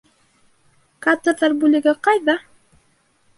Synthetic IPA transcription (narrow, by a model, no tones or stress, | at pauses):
kat̪ɤ̆ɾðɑrbʉlɘ̆ɡɘqɑjðɑ